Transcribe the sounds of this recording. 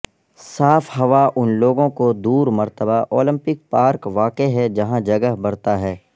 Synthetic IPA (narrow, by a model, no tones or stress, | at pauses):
saːfɦɐʋaʔʊnloːɡõkod̪uːɾmɐɾt̪əbaʔoːlɪ̃mpɪk̚paːɾkʋaːkeɦɛd͡ʒɐɦãd͡ʒɐɡəɦbɐɾt̪aɦɛː